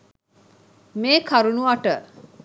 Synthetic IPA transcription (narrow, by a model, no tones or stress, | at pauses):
meːkʰaɾunuaʈə